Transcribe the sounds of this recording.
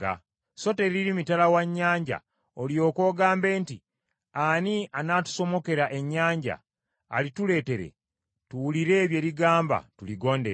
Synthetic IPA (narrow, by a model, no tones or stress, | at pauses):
a̰ | so̞te̞ɾiɾimitalawaɲːaːɲɟa̰ | oljo̞ːko̞ːɡaːmbe̞ːnti | anianaːtu̥so̞mo̞ke̞ɾaʔe̞ɲːaːɲɟa̰ː | litule̞ːte̞ɾe̞̰ | tuwuliɾe̞ːβje̞ɾiɡaːmba̰tuliɡo̞ːndeɾ